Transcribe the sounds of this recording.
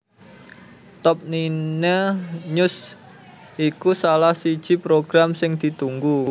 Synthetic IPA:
t̪ɔp̚ninəɲʊs | ʔikusalahsid̥ʒ̥i̤pɾoɡ̥ɾamsɪŋd̪̥i̤t̪uŋɡu

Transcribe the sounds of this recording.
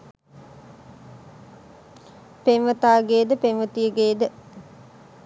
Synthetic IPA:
penʋət̪aːɡeːd̪əpenʋət̪ijəɡeːd̪ə

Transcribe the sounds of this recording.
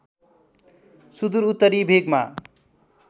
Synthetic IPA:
sud̪uɾut̪ːʌɾibʱeɡma̰

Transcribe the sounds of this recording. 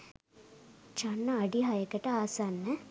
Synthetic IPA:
t͡ʃanːɐːɖiɦɐjəkəʈəaːsanːə

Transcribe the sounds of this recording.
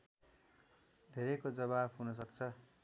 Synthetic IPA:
d̪ʱeɾekod͡zʌβabɦunʌs̬ʌkt͡sʰʌ

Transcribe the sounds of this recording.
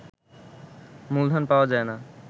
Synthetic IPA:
muld̪ʱanpawad͡ʒaːenaː

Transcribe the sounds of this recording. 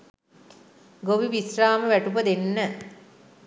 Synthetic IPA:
ɡoʋiʋisraːməʋæʈup̬əd̪enːə

